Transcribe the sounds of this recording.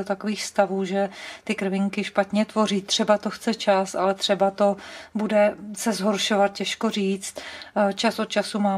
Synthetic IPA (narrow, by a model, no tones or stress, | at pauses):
ot̪ako̞viːxst̪avuːʒɛt̪ɪkɾ̩vɪŋkɪʃpat̪ɲɛt̪vo̞riːt̪ːr̝̥ɛbat̪oxt͡sɛt͡ʃasʔa̰lɛt̪r̝̥ɛbat̪o̞budɛsɛzɦo̞ɾʃo̞vat̪̚cɛʃkoriːt͡st̪t͡ʃasʔot̪̚t͡ʃasumaː